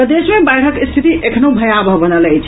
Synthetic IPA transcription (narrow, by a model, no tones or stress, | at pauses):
pəd̪esmebajɽ̤əkist̪ʰit̪iʔekʰnobʱəjabʱəɦbənələjt͡ʃʰ